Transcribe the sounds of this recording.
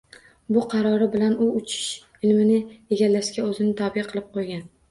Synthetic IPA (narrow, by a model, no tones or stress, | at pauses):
bʊqʰɑɾɒɾɪbɪlanʊʊt͡ʃʰɪ̥ʃ | ɪlmɪnɪjeɡʲalːaʃkʲaɵzɪnɪt̪ʰɒbijqʰɨlˠɪp̚qʰojɡʲan